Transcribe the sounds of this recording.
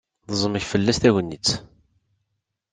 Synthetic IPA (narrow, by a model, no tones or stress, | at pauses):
ðəzˤəməçfəlːæst̪æʝənːit͡sː